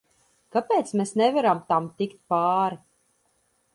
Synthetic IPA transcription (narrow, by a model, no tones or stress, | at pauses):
kapʲeːt̪smʲesnɛvæɾamt̪amt̪ʲikt̪paːɾi